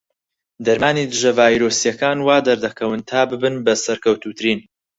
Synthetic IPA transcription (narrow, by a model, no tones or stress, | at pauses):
d̪ɐɾmaːniːd̪ɨʒɐvaːjɾoːsijɐkaːnwaːd̪ɐɾd̪ɐkʰɐwɨnt̪ʰaːbɨbɨnbɐsɐɾkɐwt̪ut̪ʰɨɾiːn